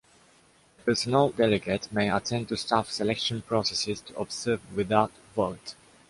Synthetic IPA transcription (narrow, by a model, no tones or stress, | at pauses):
əpʰɜ˞sənəlˠdɛlɪɡətmeɪətʰɛ̃n̚tustafsɛlɛkʃə̃npʰɹ̥ɔsɛsɪz̥tʰuʔɔbz̥ɜːvwɪðaʊt | voʊt